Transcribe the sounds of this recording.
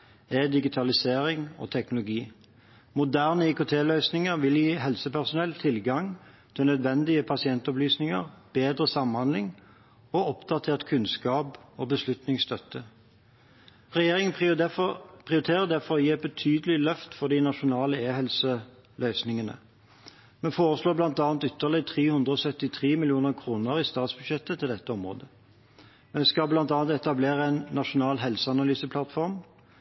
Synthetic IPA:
ɛd̪ɪɡɪt̪ʰɑlɪseːɾɪŋo̰ːt̪ʰɛknʊlʊɡiː | mʊd̪æːʁnəikʊt̪ʰeːlœʏsnɪŋəʁʋɪljiːɦɛlsəpʰæʁsʊnɛlt̪ʰɪlɡɑŋt̪ʰɪlnœd̪ʋɛnd̪ɪəpʰɑsɪɛnt̪ɔplyːsnɪŋə̰ʁb̥eːd̪ʁəsɑmhɑnd̪lɪŋ | oːɔpd̪ɑt̪ʰeːʁt̪kʰʉnskɑːpoːbəslʉt̪nɪŋst̪œt̪ːə | ʁɛjeːʁɪŋə | pʰʁɪʊɾɪt̪ʰeːʁəd̪æfɔʁɔjiːɛt̪̚bət̪ʰyːd̪əlɪlœft̪fɔd̪ɪnɑʃʊnɑːləeːhɛlsə | lœʏsnɪŋənə̰ | mɛnfoːʁəsloːblɑnt̪ɑːnt̪ʏt̪ːəʁlɪt̪ʰʁeːhʉnd̪ʁəɔsœt̪ːɪt̪ʰʁeːmɪlɪuːnəʁkʰʁuːnəʁɪst̪ɑːt̪sbʉd̪ʃɛt̪ːət̪ʰɪld̪ɛt̪ːəɔmʁo̰ːd̪ə | mɛnskɑblɑnt̪ɑːnt̪ɛt̪ɑbleːʁəɛɪnːɑʃʊnɑːlɦɛlsəɑnɑlyːsəpʰlɑt̪fɔʁm

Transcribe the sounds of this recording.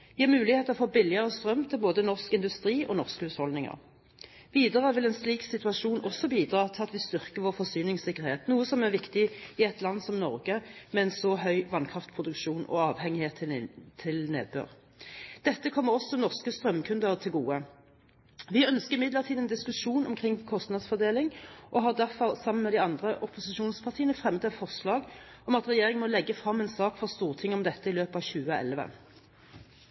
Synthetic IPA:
ʋɪæmʉːlɪheːt̪əʁɔfoːbɪlɪəʁəst̪ʁœmt̪ʰɪlboːd̪ənɔʁskɪnd̪ʉst̪ʁiːʔɔnɔʁskhʉːshɔld̪nɪŋə̰ʁ | ʋiːd̪əʁəʋɪlɛnsliːksɪt̪ʉɑʃuːnʔɔsɔbiːd̪ʁɑːt̪ʰɪɑt̪ʋɪst̪ʏʁkəʋɔːʁfɔsyːnɪŋsɪkːəʁheːt̪nuːəsɔmæʁʋɪkt̪ɪɪɛt̪lɑnːsɔmnɔʁɡəmɛɛnsɔɦœʏʋɑnkʰʁɑft̪pʰʁʊd̪ʉkʃuːnɔ̰ɑːʋhɛŋɪheːt̪ʰːt̪ʰɪlnḛːd̪̚bø̰ːʁ | d̪̥ɛt̪ːəkʰɔmːəʁɔsːɔnɔʁskəst̪ʁœmːkʰʉnd̪əʁt̪ʰɪlɡuːə | ʋɪœnskəʁɪmɪd̪ləʁt̪ʰiːd̪ɛnd̪ɪskʉʂuːnɔmkʰʁɪŋkʰɔst̪nɑd̪sfɔʁd̪eːlɪŋʔɔɦɑʁd̪æʁfɔʁsɑmːənmɛd̪ɪɑnd̪ʁəʔɔpʊsɪʃuːnspʰɑʁt̪iːənəfʁɛmːəd̪ɛt̪fɔʁslɑːɡ | ɔmɑt̪ʁɛjeːʁɪŋmɔlɛɡːəfʁɑmːɛːnsɑːkfɔʁst̪uːʁt̪ʰɪŋːəɔmd̪ɛt̪ːəɪløːpɑːʋçʉːəɛ̰lʋə̰

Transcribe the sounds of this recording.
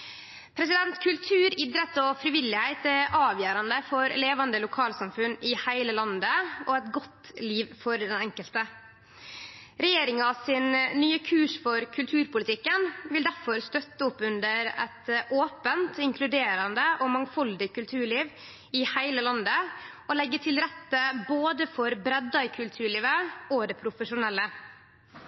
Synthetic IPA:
pʰɾɛs̬ɪd̪ɛnt̪kʰʉlt̪ʰʉːɾɪd̪ɾət̪ɔfɾɪʋɪlːɪhæɪt̪æɾʔɑːʋjøːɾɑnd̪əfɔɾleːʋɑnd̪əlʊkʰɑːlsɑmfʉnɪhæɪləlɑnd̪əɔɛt̪ɡɔt̪liːʋfɔɾd̪ɛnɛŋkəlt̪ə | ɾɛjeːɾɪŋɑsɪnːyːəkʰʉːʂfɔɾkʰʉlt̪ʰʉːɾpʊlɪt̪ʰɪkːənʋɪld̪æɾfɔɾst̪œt̪ːəʊpːʉnd̪əɾɛ̰t̪ʔoːpənt̪ɪŋkʰlʉd̪eːɾɑnd̪əʔomɑŋfɔld̪ɪkʉlt̪ʰʉːɭiːʋ | ɪhæɪləlɑnd̪əʔɔlɛɡːət̪ʰɪlɾɛt̪ːəboːd̪əfɔɾbɾɛd̪ːɑɪkʰʉlt̪ʰʉːɭiːʋəod̪ɛpʰɾʊfəʂʊnɛlːə

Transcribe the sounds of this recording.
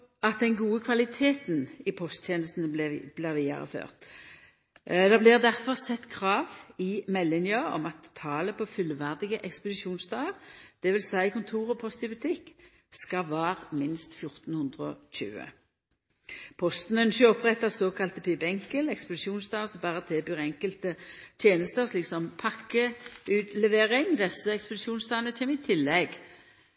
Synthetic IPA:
ɑt̪̚d̪ɛnɡuːəkʰʋɑlɪt̪ʰeːt̪nɪpʰɔst̪teːnəst̪n̩əb̥lɪʁʋiːd̪ɑ̰ʁə̰fø̰ːʁt̪ | d̪ɑːblɪʁd̪æʁfɔʁsɛt̪ːkʰʁɑːʋɪmɛlːɪnjɑɔ̰mɑt̪ʰːɑːləpʰɔfʏlʋæʁd̪ɪɡəʔɛkspəd̪ɪʃuːnsd̪ɑːəʁd̪̥ɛʋɪlsæɪkʰʊnt̪ʰuːʁɔpʰɔst̪ɪbʉt̪ʰɪkː | skɑʋɑːʁmɪnst̪fjʊʁt̪n̩hʉnd̪ʁəɔɕʉ̰ːə̰ | pʰɔst̪nənʃøɔpʁɛt̪ːɑsoːkʰɑlt̪əpʰɪbɛŋkəlɛkspəd̪ɪʃuːnsd̪ɑːʁsɔmbɑːʁət̪ʰeːbyːʁɛŋkəlt̪ət̪ʰjeːnəst̪əsliːksɔmpʰɑkːəʉːt̪lɛʋeːʁɪŋd̪ɛsːəɛkspəd̪ɪʃuːnsd̪ɑːənət͡ʃʰeːmɪt̪ʰɪlːɛɡ

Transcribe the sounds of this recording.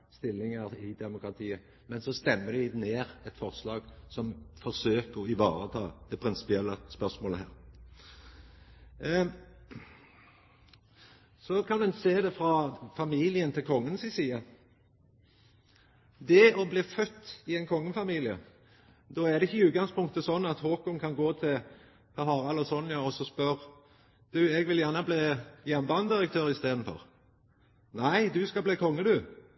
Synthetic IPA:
st̪ɪlːɪŋəɾɪd̪ɛmʊkɾɑt̪ʰiːə | mɛnsɔst̪ɛmːəd̪ɪneːɾɛt̪fɔʁslɑːɡsɔmfɔsøːkəɪʋɑːɾət̪ʰɑːd̪̥ɛpʰɾɪnsɪ̥pɪɛlːəspœʁsmoːləɦæːɾ | sɔkʰɑnɛnseːd̪ɛfɾɑfɑmiːlɪənt̪ʰɪlkʰɔŋːənsɪsiːə | d̪ɛɔbliːfœt̪ːɪɛɪnkʰɔŋːəfɑmiːlɪə̰ | d̪oːæʁd̪ɛɪçːəʉːt̪̚ɡɑŋspʰʊŋk̚t̪əsɔnːɑt̪hoːkʊŋkʰɑnɡoːt̪ʰɪ | pʰɑɦɑːɾɑlɔsɔnːjɑɔsɔspœʁ | d̪̥ʉːɛɡʋɪljæʁnəbliːjɛnbɑnd̪ɪʁək̚t̪ʰøːɾɪst̪eːd̪n̩fɔ̰ʁ | næɪd̪ʉskɑbliːkʰɔŋːəd̪ʉ

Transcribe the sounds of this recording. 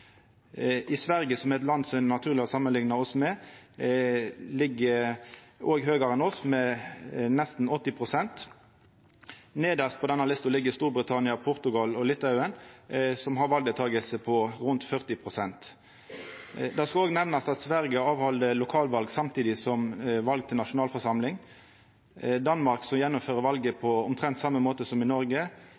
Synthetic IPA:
ɪsʋæʁɡəsɔmɛt̪̬lɑnd̪sɔɛnɑt̪ʰʉːʁlɪhɑsɑmːənlɪŋnɑɔsmɛ | lɪɡːə | oːɡɦøːɡəɾɛnɔsmɛ | nɛst̪n̩ɔt̪ːɪpʰʁʊsɛnt̪ | neːd̪əspʰɔd̪ɛnːɑlɪst̪ʊlɪɡːəst̪uːɾbʁət̪ʰɑnɪɑpʰʊʁt̪ʉɡɑlɔlɪt̪ːʉənsɔmɦɑɾʋɑlɡ̪d̪ət̪ʰɑːɡəlsəpʰɔʁʉnt̪fœʁt̪ɪpʰʁʊsɛnt̪ | d̪ɑskɑoːɡnɛʋnɑsɑt̪sʋæʁɡəɑːʋhɔld̪əlʊkʰɑːlʋɑlɡsɑmt̪ʰiːd̪ɪsɔmʋɑlɡ̚t̪ʰɪlnɑʂʊnɑːlfɔʁʂɑmlɪŋ | d̪ɑnmɑʁksɔmjɛnːɔmføːʁəʋɑlɡəpʰɔʊmt̪ʰʁɛnt̪sɑmːəmoːt̪əsɔmɪnɔɾɡə

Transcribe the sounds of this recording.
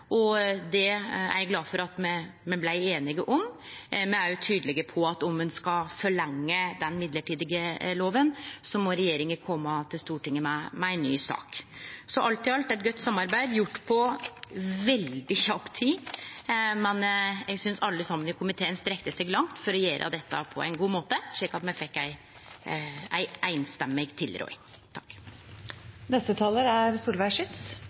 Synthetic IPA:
ʔɔd̪ɛæ̰ɾɛɡlɑːfɔɾɑt̪mɛmɛnblæɪeːnɪɡəʔɔmmɛnæɾjʊt̪ʰyːd̪əlɪɡəpʰɔɑt̪ɔmːʉnskɑfɔɭɛŋːəd̪ɛnmɪd̪ləʈʰiːd̪ɪɡəloːʋənsɔmɔɾɛjeːɾɪŋəkʰɔmːət̪ʰɪlst̪uːʈɪŋːəmɛmɛɛnːy̰ːsɑ̰ːksɔʔɑlt̪ɪɑlt̪ɛt̪̚ɡœt̪ːsɑmːɑɾbæɪd̪jʊʈːpʰɔ | ʋɛld̪ɪçɑpt̪ʰːiː | mɛnjɛɡsʏnsɑlːəsɑmːənɪkʰʊmɪt̪ʰeːənst̪ɾɛkt̪əsɛɡlɑŋt̪fɔɾɔjeːɾʔə̰d̪ɛt̪ːɑ̰pʰɔ̰æ̰ɪnɡuːmoːt̪əʂɭɪkːɑt̪mɛfɛkːæɪ | æɪʔæɪnst̪ɛmːɪɡt̪ʰɪlɾɔ̰ʏ | t̪ʰɑkː | nɛst̪ət̪ʰɑːləɾæɾsuːlʋæɪʂɪt̪s

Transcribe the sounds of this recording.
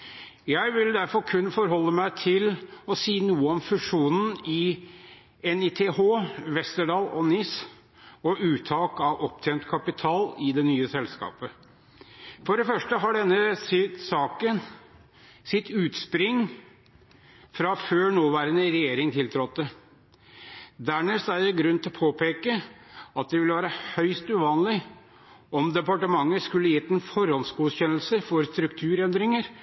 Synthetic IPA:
jæɪʋɪld̪æɾfɔɾkʰʉnːfɔɾɦɔlːəmæɪt̪ʰɪlɔsiːnuːəɔmfʉʂuːnn̩ɪ | ɛnit̪ʰehoːʋɛst̪əɖɑːlɔnɪs | ɔʔʉːt̪ʰɑːkɑʋʔɔp̚t̪ʰeːnt̪kʰɑpɪt̪ʰɑːlɪd̪ɛnyːəsɛlskɑ̰ːpə | fɔɖɛfœʂʈəɦɑɖɛnːəsɪsɑːkən | sɪt̪ʉːt̪spɾɪŋ | fɾɑføːɳoːʋæːɾənəɾɛjeːɾɪŋt̪ʰɪlt̪ʰɾɔt̪ːə | d̪æɳesæjɛɡɾʉnːt̪ʰɪlɔpʰoːpʰeːkəɑt̪̚d̪ɛʋɪlːəʋæːɾəhœʏst̪ʉʋɑːnlɪ | ɔmd̪ɛpɑʈəmɑŋːəskʉlːəjɛt̪ːɛnfɔɾɔnsɡuːɕɛnəlsəfɔɾst̪ɾʉkt̪ʰʉːɾɛnd̪ɾɪŋəɾ

